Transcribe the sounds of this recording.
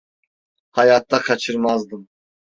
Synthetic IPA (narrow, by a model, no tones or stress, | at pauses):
hɑjɑt̪ːɑqʰɑt͡ʃʰɯɾmɑzd̪ɨm